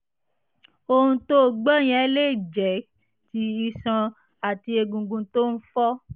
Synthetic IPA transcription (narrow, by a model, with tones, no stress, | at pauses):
o˧ũ˧to˦˨ɡ͡bɔ˦j̃ɛ̃˨˦le˦˨d͡ʒɛ˨˦ | ti˧i˧sã˧ | a˨ti˧e˧ɡũ˨ɡũ˧to˦n̩˦fɔ˦